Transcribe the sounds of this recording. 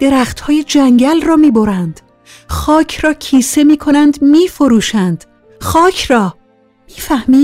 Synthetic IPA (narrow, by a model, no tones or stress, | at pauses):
d̪̥e̞ɾæxt̪hɒːjed͡ʒæŋɟælrɒːmiːboɾænd̪̥ | xɒːcʰrɒːcʰiːse̞miːkʰo̞nænd̪miːfo̞ɾuːʃænd̪̥ | xɒːcʰrɒː | miːfæhmiː